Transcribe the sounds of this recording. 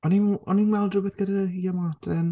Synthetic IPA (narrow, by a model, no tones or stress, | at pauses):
ɔninɔninwɛlˠdrʊbɛθɡ̥ədahiːɔmatʰəm